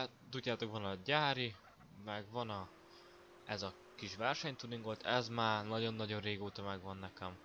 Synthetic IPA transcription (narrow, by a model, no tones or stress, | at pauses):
t̪uɟːaːt̪o̞kʋɒnɒɟaːɾi | mɛɡʋɒnɒ | ɛzɒ | kiʃʋɛrʃɛɲt̪uniŋɡolt̪ʰɛzmaːrnɒɟo̞nːɒɟo̞nreːɡoːt̪ɒmɛɡʋɒnːɛkɛm